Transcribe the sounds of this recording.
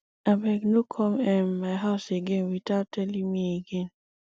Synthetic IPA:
abɛɡnukʰɔmɛmːaɪɦaʊseɡenwitatɛlimieɡen

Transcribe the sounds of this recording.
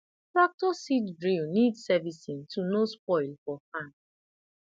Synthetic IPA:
tɹak̚tɔsitdɹinidsɛvisintʰunosp̚ɔɪlfɔfãn

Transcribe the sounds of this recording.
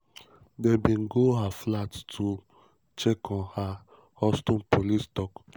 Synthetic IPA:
debĩnɡoɦaflattʰu | t͡ʃekɔ̃nha | hɔstɔ̃npʰolistɔk

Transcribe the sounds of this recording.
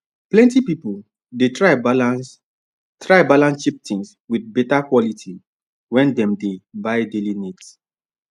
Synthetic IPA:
plɛ̃ntipipul | detɹa | tɹaɪbalãnsʃip̚tĩŋs | widbɛtakwɔlitʰi | wɛ̃ndɛ̃mdebaɪdelinits

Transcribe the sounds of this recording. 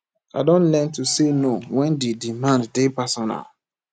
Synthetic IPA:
adɔ̃nlɛ̃ntusenowɛ̃ndedimãnddepasɔna̰l

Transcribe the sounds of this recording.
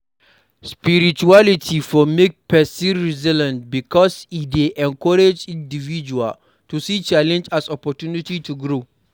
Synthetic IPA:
spiɾit͡ʃualitʰifɔmek̚pʰɛsĩnɹizilɛ̃ntbikʰɔsideʔɛ̃nkʰɔɾed͡ʒĩndivid͡ʒua̰l | tʰusit͡ʃalɛ̃nd͡ʒasɔpɔtunititʰuɡɹo

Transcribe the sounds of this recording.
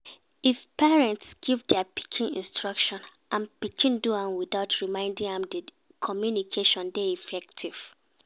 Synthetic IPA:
ifpɛɹɛ̃ntsɡ̥ivdɛapi̥kʰĩnḭ̃nstɹʌkʃɔ̃n | ʔãnpikʰĩnduãnwiθaʊtʰɹimãɪ̃ndĩŋɛ̃mdə | kʰɔmjunikʰeʃɔ̃ndeifɛk̚tʰiv̥

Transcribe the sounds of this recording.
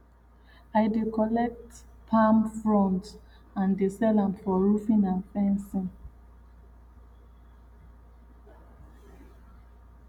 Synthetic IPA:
aɪdekɔlɛk̚t | pʰãmfɹɔ̃nt | ãndesɛlãmfɔɹufĩnãnfɛ̃nsĩn

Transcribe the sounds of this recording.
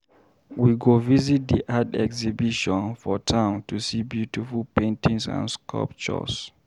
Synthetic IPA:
wiɡovizit̚d̪iʔadɛ̰ksibiʃɔ̃nfɔtʰãʊ̃ntusibjutifulpẽntĩŋsã̰nskʰɔ̰lp̚t͡ʃɔ̰s

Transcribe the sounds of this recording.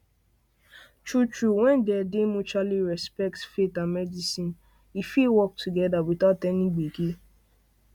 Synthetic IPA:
t͡ʃut͡ʃɹuwɛ̃ndɛdɪmut͡ʃaliɹɛspɛk̚tfetãmɛdisĩn | ifilwɔk̚tʰuɡɛdawiθatɛniɡ͡biki

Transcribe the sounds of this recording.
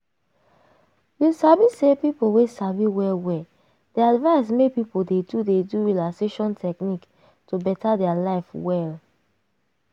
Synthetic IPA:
jusabisepipowesaviwɛwɛ | d̥eadvaɪs̬mepipodedudeduɹilakseʃɔ̃ntʰɛknik | tubɛtadɛalaɪfwɛl

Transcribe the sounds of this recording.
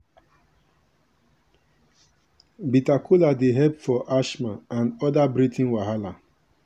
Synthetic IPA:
bitakʰuladeɦɛpfɔʔaʃmaãnɔdabɾitʰĩnwaɦala

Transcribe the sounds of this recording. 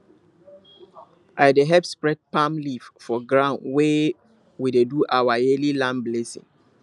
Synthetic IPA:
ʔaɪdeɦɛpspɹɛd̚pãmliffɔɡɹãʊ̃ndwe | wideduʔawajelilãmblesḭ̃ŋ

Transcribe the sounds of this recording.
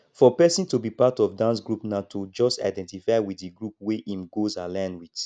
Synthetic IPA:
fɔpɛsĩntubipatɔfdãnsɡɹupnatʰud͡ʒɔsta̰ɪdɛ̃ntifaɪwitdiɡɹup̚weʔĩmɡozalãɪ̃nwit

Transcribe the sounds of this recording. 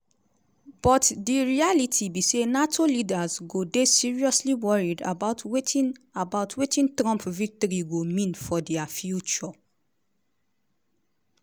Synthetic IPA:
b̥ɔtdiɹialitʰibisenatʰolidazɡodesiɹiɔsliwɔɹida̰baʊtʰwetĩnabaʊtwetĩntɹɔ̃mpvik̚tɔɾiɡomĩnfɔdɛafjut͡ʃɔ

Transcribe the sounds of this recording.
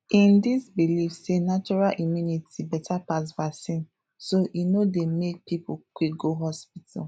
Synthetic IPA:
ĩndisbilifsenat͡ʃɔɹalʔimjunitibɛtʰapasvasĩn | soʔinodemek̚pipukwik̚ɡoɦɔspitʰa̰l

